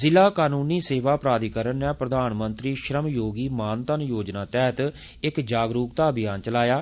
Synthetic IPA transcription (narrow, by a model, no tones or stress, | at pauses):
zɪlaːkaːnuːniːseːʋaːpɾaːd̪ikəɾənːɛ̃ːpɾəd̪aːnmənt̪ɾiːʃɾəmjoːɡiːmaːnt̪ənjoːd͡ʒnaːt̪ɛɦət̪ | ɪkd͡ʒaːɡɾuːkt̪aːəbɪjaːnt͡ʃəlaːjaː